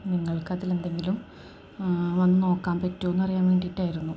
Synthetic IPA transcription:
niŋːɐɭkɐðile̞nd̪e̞ŋɡilum | ʋɐnːɨno̞ːkːaːmpɐtːuonːuɐrijaːnʋe̞ːɳɖiiʈːaːjiɾunːu

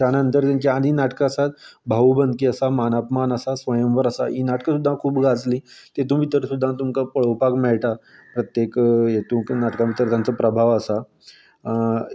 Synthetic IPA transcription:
anənt̪əɾkə̃nkiaɽ̃inaʈkaəsat̪̚bʱaʋubənd̪̚kiəsamanapmanəsasʋəjəmʋəɾəsa̰inaʈkəsud̪ʱːãkʰuːpɡʱad͡zlit̪et̪ũʋit̪əɾsud̪ʱːãt̪umkapəɭ̤owpakmɛɭʈa | pɾət̪jekjet̪ũːknaʈkãʋit̪əɾt̪jãnt͡səpɾəbʱaʋəsa

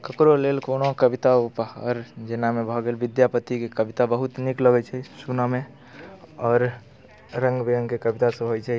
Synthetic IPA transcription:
kəkɾolelkonokəbit̪aupaɔ̰ːɾd͡ʒenamebʱɔɡelʋid̪japət̪ikekəbit̪abəɦut̪nikləɡɛt͡ʃʰɛsuname | ɔːɾ | ɾəŋɡbiəŋkekəbit̪asə̃ɦojt͡ʃʰɛ

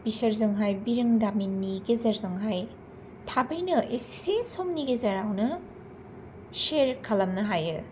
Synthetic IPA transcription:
b̥isɐɾzɐŋɦajbiɾɐŋdaminːiɡezɐɾzɐŋɦaj | tʰabɐjnɐʔesi̥sesomniɡezɐɾawnɐ | seɾkʰɐlɐmnɐɦajɯ

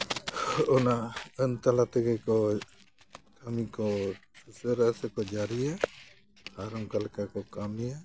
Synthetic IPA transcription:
ɔnaənt̪alat̪ɛɡɛkɔ | kamikɔsusəɾasɛkɔd͡ʒaɾija | haɾɔŋkalkakɔkamija

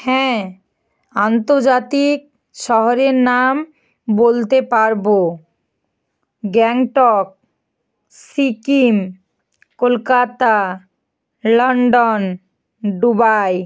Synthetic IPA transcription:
hɛ̃ | ant̪oɾd͡ʑat̪ik̚ | ʃɔɦoɾeɾnam | bolt̪epaɾbo | ɡɛŋʈɔk̚ | sikim | kolkat̪a | lɔɳɖon | ɖubaj

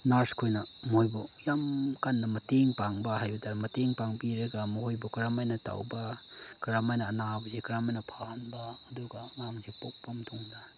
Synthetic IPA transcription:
naɾskʰojnɐ | mojbojamkanːɐmɐteŋpaŋbɐɦajbɐtaɾmɐteŋpaŋbiɾɐɡamɐhojbɔkɾamajnɐta̰wba | kɾamajnɐːnabɐsikɾamajnɐpʰanbaːduɡamamsipok̚pamtʰuŋda

